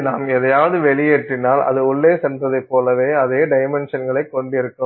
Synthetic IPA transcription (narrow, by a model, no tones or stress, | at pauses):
naːmɛðɐjaːʋɐðɯʋɛɭɪjeːʈrɪnaːlɐ̰ðɯʊɭːeːsɛndrɐðɐɪpːoːlɐʋeːɐðeːɖɐɪmɛnʂɐnɡɐɭɐɪkːɔɳɖɪɾɯkːɯm